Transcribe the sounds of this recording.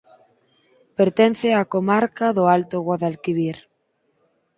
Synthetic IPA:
peɾt̪en̟θɪakomaɾkaðʊalt̪oɣɔðalkiβiɾ

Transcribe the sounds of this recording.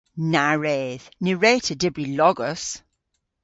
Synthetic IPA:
naɹeːð̥nɪɹeːtʰədɪbɹilɔɡəs

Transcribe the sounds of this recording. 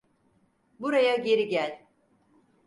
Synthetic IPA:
buɾajaɟe̞ɾiɟælʲ

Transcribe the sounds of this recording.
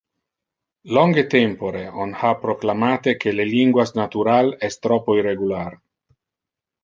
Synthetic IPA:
lɔŋɡet̪empoɾeonhapɾoklamaːt̪ekʰeleliŋɡwasnat̪uɾalɛst̪ɾɔpoireɡular

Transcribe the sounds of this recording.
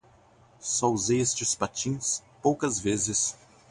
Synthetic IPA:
sɔʊzest͡ʃɪspat͡ʃĩspowkɐzvezɪs

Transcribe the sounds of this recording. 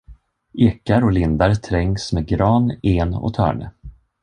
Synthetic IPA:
ʔeːkaɾɔlɪnd̪aɾt̪ʰɾɛŋːsmeɡɾɑːneːnɔ̰t̪ʰœ̰ːɳə̰

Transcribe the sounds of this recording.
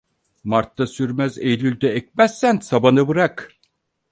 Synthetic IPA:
maɾt̪ːasyɾmæzejlʲylʲd̪ɛɛc̚mæsːænsabanɯbɯɾak

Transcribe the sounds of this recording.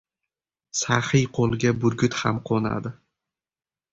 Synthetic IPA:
sahɪjqʰolˠɡʲabʊɾɡʲʊt̪hamqʰona̰d̪ɪ

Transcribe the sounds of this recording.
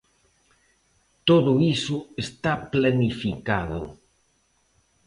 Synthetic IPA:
t̪oðʊisʊest̪aplanifikaðʊ̰

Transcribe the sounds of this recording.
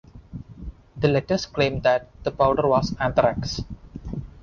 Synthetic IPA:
d̪əlɛʈəsklẽmd̪æʈ̚d̪̥əpaʊɖəɾwɔsæ̃nt̪əɾæks

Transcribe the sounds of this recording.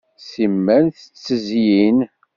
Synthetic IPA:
simːænθə̥t͡sːəzjjin

